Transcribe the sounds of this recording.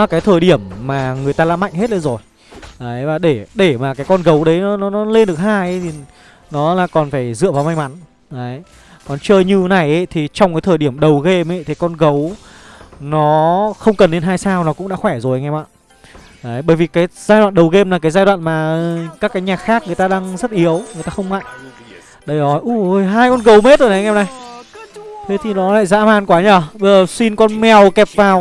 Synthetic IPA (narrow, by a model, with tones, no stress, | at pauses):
kaː˨˦jt̪ʰəː˧˩jɗi˧˩əmːaː˨˩ŋɨ˨˩əjt̪aː˧la̰ː˧˥ma̰˧˨jŋɦe˦˥t̚lə˨˦zo˨˩j | ʔəː˨˦jvaː˨˩ɗe˧˩ɗe˧˩maː˨˩kaː˨˦jkɔ˧nɣə˨˦wɗə˨˦jnɔ˨˦nɔ˨˦nɔ˨˦le˧nɗɨ˨˩ək̚haː˧jʔə˨˦jt̪ʰi˨˩ | nɔ˨˦laː˨˩kɔ˨˩nfaː˧˩jzɨ̰˧˨vaː˨˩wma˧jŋ̟ma˨˦n | ʔəː˨˦j | kɔ˨˩nt͡ɕəː˧jɲɨ˧na˨˩jʔə˨˦t̪ʰi˨˩t͡ɕɔ˧wŋ͡mkaː˨˦jt̪ʰəː˧˩jɗi˧˩əmɗə˨˩wɣe˧mʔə˨˦jt̪ʰi˨˩kɔ˧nɣə˨˦w | nɔ˨˦xə˧wŋ͡mkə˨˩nːe˧nɦaː˧jsaː˧wnɔ˨˦kʊ̰˧˥ŋ͡mɗa̰ː˧˥xwɛ˧˩zo˨˩jŋɛ˧mʔa̰ː˧˨ | ʔə˨˦ɓəː˧˩jvi˨˩kaː˨˦jzaː˧jɗwa̰ː˧˨nɗə˨˩wɣe˧mlaː˨˩kaː˨˦jzaː˧jɗwa̰ː˧˨nmaː˨˩kaː˦˥kːaː˨˦jɲaː˨˩k̚xaː˦˥k̚ŋɨ˨əjt̪aː˧ɗaː˧ŋzə˦˥t̚ʔi˨˦əwŋɨ˨˩jt̪aː˧xə˧ŋ͡mma̰˧˨ŋ | ɗə˨˧˩jnɔ˨˦jʔu˧˩oː˨˧˩jɦaː˧jkɔ˧nɣə˨˦wme˦˥t̚zo˨˩jɗə˨˦jʔɛ˧mna˨˩j | t̪ʰe˨˦t̪ʰi˨˩ɗɔ˨˦la̰ː˧˨jza̰ː˧˥maː˨˧˩nkwaː˨˦ɲəː˨˧˩ɓə˧jzəː˨˩si˧nkɔ˧nmɛ˨˩wkɛ˨˩p̚vaː˨˩w